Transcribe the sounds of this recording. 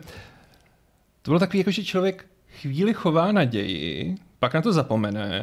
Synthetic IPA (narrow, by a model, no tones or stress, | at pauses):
t̪obɪlot̪akoviːjakoʒɛt͡ʃlovjɛk | xviːlɪxo̞vaːnaɟɛjɪ̰ | paknat̪o̞zapo̞mɛnɛ̰